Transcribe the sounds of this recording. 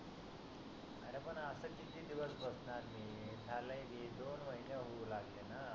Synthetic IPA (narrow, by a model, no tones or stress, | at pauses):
aɾepəɳəsəkit̪iːd̪iʋəsbəsnaɾmiː | t̪ʰaləiɡʱed̪onməɦinjəɦolaɡlena